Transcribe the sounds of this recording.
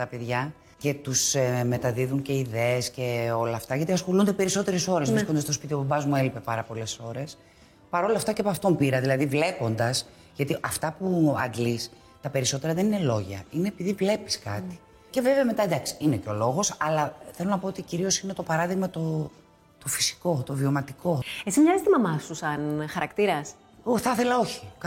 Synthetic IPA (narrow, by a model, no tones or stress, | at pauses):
t̪ɐpe̞ðʝɐ | ce̞t̪usme̞t̪ɐðiðuŋce̞iðeesce̞o̞lɐːft̪ɐʝɐt̪iɐsxo̞lund̪e̞pe̞ɾiso̞t̪e̞ɾe̞so̞ɾezvɾiskond̪ɐst̪o̞spit̪ioobɐzmue̞lipe̞pɐɾɐpo̞le̞so̞ɾe̞s | pɐɾo̞lɐft̪ɐcepɐft̪o̞mpiɾɐðilɐðivle̞po̞nd̪ɐs | ʝɐt̪iʔɐft̪ɐpuɐ̰ŋɡlis | t̪ɐpe̞ɾiso̞t̪e̞ɾɐðe̞ninelo̞ʝɐ̰ineːpiðivle̞pi̥skɐ̰t̪i̥ | ce̞veveɐme̞t̪ɐd̪ɐksi̥ineceo̞lo̞ɣo̞sɐlɐθe̞lo̞nɐpo̞ot̪iciɾio̞sine̞t̪o̞pɐɾɐðiɣmɐt̪o̞ | t̪o̞fi̥si̥ko̞t̪o̞vio̞mɐt̪iko̞esizmɲɐzist̪imɐmɐsusɐnxɐɾɐkt̪iɾɐs | oθɐθe̞lɐo̞çi̥